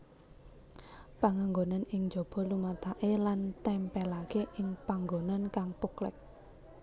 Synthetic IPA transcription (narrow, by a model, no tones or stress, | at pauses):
paŋaŋɡonanɪŋd͡ʒo̤b̥ɔ̤lumat̪aʔelant̪ɛmpɛlakeʔɪŋpaŋɡonankaŋpuklɪ̰k̚